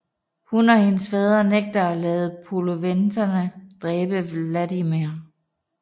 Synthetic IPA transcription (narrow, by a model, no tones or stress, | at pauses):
hunɒ̽he̝nəsfeːð̞ˠɐneɡ̥̚d̥ɐɒlɛːð̞̩ˠpʰoloʋendʰɐnəd̥ʁɛːb̥əʋlædimiɐ